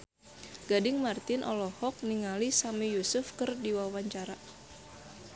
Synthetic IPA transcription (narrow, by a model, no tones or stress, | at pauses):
ɡ̥adɪŋmart̪ɪnʔɔlɔhɔk̚niŋalisamijusʊfkɨrdiwawaɲt͡ʃaɾa